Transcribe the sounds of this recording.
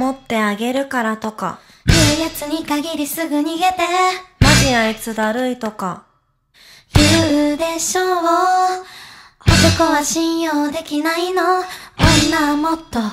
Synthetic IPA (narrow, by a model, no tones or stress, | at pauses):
mo̞t̪ːe̞aɡe̞ɾɯ̟kaɾat̪o̞ka̰ | jɯːjat͡sɨɲ̟ikaɡʲiɾʲisɨɡɯ̟ɲ̟iɡe̞t̪e̞maʑiait͡sɨd̪aɾɯ̟it̪o̞ka | bid̪e̞ɕõɰwo | ot̪o̞ko̞βaɕĩɰ̃joːd̪e̞kʲinainooinamot̪ːo̞